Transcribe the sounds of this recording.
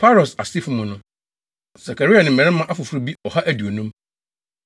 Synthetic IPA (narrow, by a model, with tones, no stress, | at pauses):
pʰa˦lɔ˨sa̰˨si˦fʊ˦mʊ̃˨nʊ̃˦ | sa˨kʰa˨ɾi˦a˨nɪ̃˨m̩ː˨ɛ̃˨ɾɪ˦mã˦ʔa˦fʊ˨fɾu˦bi˦ɔ˨ha˦ʔæ˦du˨o˨nũ˦m